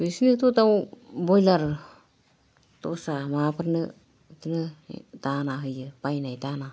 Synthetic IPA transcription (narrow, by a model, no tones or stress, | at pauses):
bɯsinitutawbɔjlaɾ | tɔsamapʰaɾnɯ | tɯnɯdanaɦɯjɯpajnajdana